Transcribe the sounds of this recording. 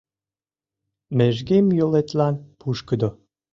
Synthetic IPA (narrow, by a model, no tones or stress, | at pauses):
meʒɡemjolet̪lɑnpʰuʃkəd̪o